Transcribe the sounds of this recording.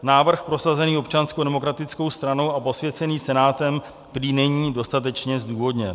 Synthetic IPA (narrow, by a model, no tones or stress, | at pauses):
naːvr̩xpɾo̞sazɛniːo̞pt͡ʃanskodɛmo̞kɾat̪ɪt͡sko̞wst̪ɾano̞wapo̞svjɛt͡sɛniːsɛnaːt̪ɛm | t̪ɾiːnɛɲiːdo̞st̪at̪̬ɛt͡ʃɲɛzduːvo̞dɲɛn